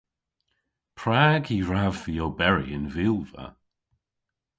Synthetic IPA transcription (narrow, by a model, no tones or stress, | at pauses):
pʰɹaːɡiːɹavðijobɛɹḭɪnviːlˠva̰